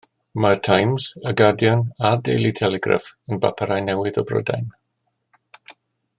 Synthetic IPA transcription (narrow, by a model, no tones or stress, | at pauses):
martʰajmz̥əɡadjɔnadḛjlˠitʰɛlɛɡra̰fənba̰pʰaɾajnɛwɪðɔbrɔ̰da̰jn